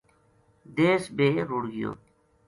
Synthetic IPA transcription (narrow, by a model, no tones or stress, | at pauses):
d̪eːsbeːɾuɽɡɪjo̰ː